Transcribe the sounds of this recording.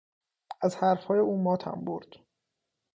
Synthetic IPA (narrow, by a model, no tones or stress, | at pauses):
æzhæɾfhɒːje̞uːmɒːt̪ʰæ̰mbo̰ɾd̪̥